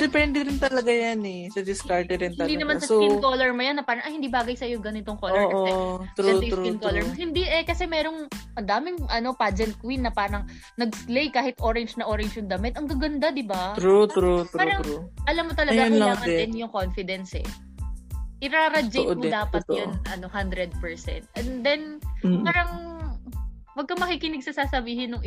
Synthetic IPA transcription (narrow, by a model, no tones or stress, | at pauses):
d̪ɪpɛnd̪ɛɾɪnt̪ɐlɐɡajanɛsɐd̪ɪskaɹt̪ɛɾɪnt̪ɪɐld̪iːnɐmanasɐsoinkolɛɹmɐjɐnːɐpaːɾɐŋʔɐhɪnd̪iːbaːɡɐjsɐjoɡɐnɪt̪oŋkollɛɹʔoɛɾt̪ɾuɛjɾinkolɛɹmohɪnd̪iʔɛkɐsɛmɛɾo̞ŋʔɐnd̪aːmɪŋʔɐno̞paːd͡ʒɛnt̪̚kwinːɐpaːɾɐŋ | nɐɡslejkaːhɪt̪ʔo̞ːɾɛnd͡ʒnɐʔoːɾɛnd͡ʒjʊŋd̪ɐmɛt̪ʔɐŋɡɐɡɐnd̪ad̪ɪbat̪ɾut̪ɾut̪aːuɾɐŋɾuʔɐlamːot̪ɐlɐɡalaŋʔɐɛnjʊŋkonfɪd̪ɛnsɛ̰ | ʔɪɾaːɾɐd͡ʒoʔdmod̪aːpɐt̪jɐnʔɐno̞hand̪ɾɛd̪̚pɛɹsɛ̰nt̪̚ʔɛnd̪ɛnpaːɾɐŋ | wɐɡ̚kɐmɐkikɪnɪɡ̚sɐsaːsɐbiːhɪnːʊŋɪ